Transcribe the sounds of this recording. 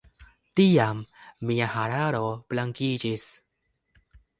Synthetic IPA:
tiamːiahaɾaɾo̞plaŋkid͡ʒis

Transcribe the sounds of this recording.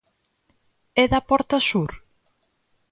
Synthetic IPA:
ɛðɐpɔɾt̪ɐsuɾ

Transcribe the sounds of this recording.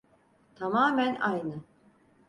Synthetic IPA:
t̪ʰamaːmænajnɯ

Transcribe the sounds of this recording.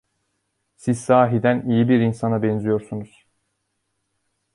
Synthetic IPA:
sizsaːɦid̪ænijibiɾinsanabɛnzijo̞ɾsunuz̥

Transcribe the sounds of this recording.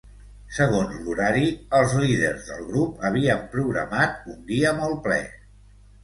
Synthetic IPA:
səɣ̞onzluɾaɾiəlˠzliðə̰ɾzðə̰lˠɣɾupəβ̞iəmpɾuɣɾə̰mat̪̚und̪iəmɔlˠplɛ̰

